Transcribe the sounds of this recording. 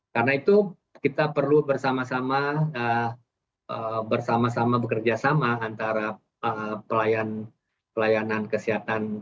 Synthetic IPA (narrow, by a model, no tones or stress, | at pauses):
karənait̪u | kit̪apərlubərsamasamaə | əbərsamasamabəkərd͡ʒasamaːnt̪aɾa | əpəlajan | pəlajanankəsiɦat̪an